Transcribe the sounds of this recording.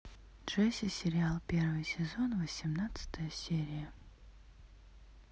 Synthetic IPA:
dʐ̥ɛsʲɪsʲɪɾʲɪalˠpʲe̞rvɨjsʲɪzonvəsʲɪmnat̪sɨ̥t̪əjəsʲeɾʲɪjə

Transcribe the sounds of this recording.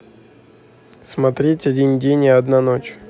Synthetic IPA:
smɐt̪ɾʲetʲɐdʲinʲdʲenʲɪɐd̪nanot͡ɕ

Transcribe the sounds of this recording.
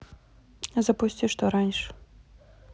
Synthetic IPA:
zɐpusʲtʲt͡sʲiʂt̪ɔɾanʲʂ

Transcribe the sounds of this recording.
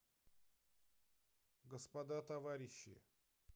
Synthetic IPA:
ɡəspɐd̪at̪ɐvaɾʲɪɕːɪ̰

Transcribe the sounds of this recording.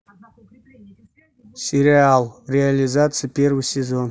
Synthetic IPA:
sʲɪɾʲiealˠrʲɪalʲizat̪sɨjəpʲervɨsʲezon

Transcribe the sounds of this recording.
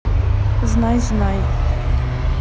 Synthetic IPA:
znajznaj

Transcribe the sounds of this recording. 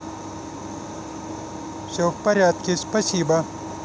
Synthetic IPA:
ɕofpɐɾjaːt̪̚kiɕpɐɕiːbɐ

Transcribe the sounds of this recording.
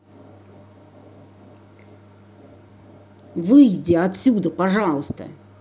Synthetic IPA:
vɨjdʲɪɐt̪ʲsʲud̪əpɐʐɑlˠəst̪ə̰

